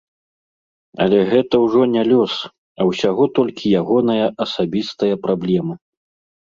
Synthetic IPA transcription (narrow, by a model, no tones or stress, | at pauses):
ɐ̰lʲɛɣɛt̪ɐwʐɔnʲɛlʲɔs | ɐwsʲaɣɔt̪ɔlʲkʲʰijaɣɔnɐjɐʔɐsabʲist̪ɐjɐpɾablʲɛmɨ